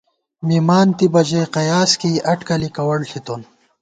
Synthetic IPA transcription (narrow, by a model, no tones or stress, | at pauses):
mimaːnt̪ibɐd͡ʑeqɐjaːskiʔɐʈkɐlikɐwɐɭɬʰit̪on